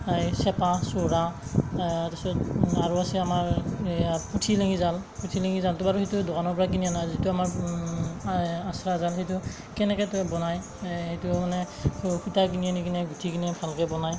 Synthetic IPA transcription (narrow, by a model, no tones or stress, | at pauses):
ajsɛpasoɹa | tasɔtaɹuasɛamaɹaputʰileŋizalputʰileŋizaltɔbaɹuhejtudokanɔɹpɔɹakinijanazituamaɹ | asɹazalɦetu | kɛnɛkɛtɔbɔnaj | hetumanɛ | kutakinianikinɛɡutʰikinɛbʱalkɛbɔnaj